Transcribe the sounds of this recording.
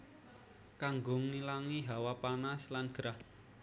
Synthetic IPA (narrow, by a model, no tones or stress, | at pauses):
kaŋɡʊŋnilaŋiɦawapanaslanɡ̥ɾah